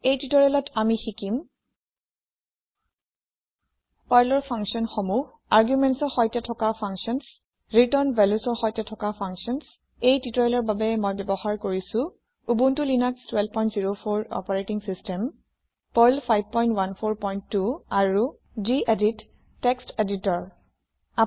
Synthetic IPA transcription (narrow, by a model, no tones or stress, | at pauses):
ejtitɔɹɛlɔtʰamixikim | pajlɔɹpʰãŋksiɔnxɔmuh | aɹɡjumɛntsɔɹxɔjtɛtʰɔkapʰaŋkʃiɔns | ɹitɔɹnvʱɛlusɔɹxɔjtɛtʰɔkapʰaŋksiɔns | ejtitɔjlɔɹbabɛmojbɛbɔxaɹkoɹisũ | ubuntulinakstwɛlbpɔj̃ntziɹopʰoɹɔ̰pɔɹetiŋsistɛm | pɔjlpʰajb̚pɔjntwanpʰoɹpɔjnttːuaɹu | d͡ʒiʔeditː | ɛksteditɔɹ | a